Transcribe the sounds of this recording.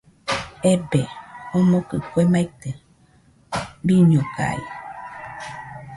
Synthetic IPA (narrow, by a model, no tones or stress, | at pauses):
ɛbɛonõkəkwɛmãit̪ə | biɲõka̰ḭ